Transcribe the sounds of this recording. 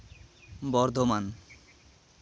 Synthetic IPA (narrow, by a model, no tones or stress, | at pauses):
bɔɾd̪ʱoman